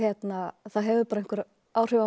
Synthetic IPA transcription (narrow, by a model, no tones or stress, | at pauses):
ɛt̪naθaðɦɛvɪpaɾain̥kvʏɾ | aːwr̥ʏva